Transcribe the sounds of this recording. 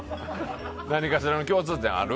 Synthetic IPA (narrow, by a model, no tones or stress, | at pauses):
naɲ̟ikaɕiɾanokʲo̞ːt͡sɨːt̪ẽɰ̃a̰ɾɯ